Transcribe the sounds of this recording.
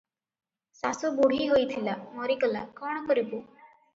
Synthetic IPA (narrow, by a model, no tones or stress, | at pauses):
sasɔbuɽ̤iɦojt̪ʰilamɔɾikɔla̰kɔɽ̃ɔkɔɾibu